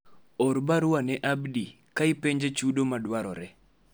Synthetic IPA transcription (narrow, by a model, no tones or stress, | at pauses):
ɔɾbaɾʊwanɛʔabdi | kaɪpeɲd͡ʒet͡ʃudomadwaɾɔɾɛ